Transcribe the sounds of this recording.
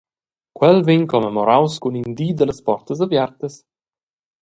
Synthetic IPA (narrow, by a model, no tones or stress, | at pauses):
kwɛlveɲkomemoɾawskunind̪iːd̪ələspɔɾt̪əz̬avjɛɾt̪əs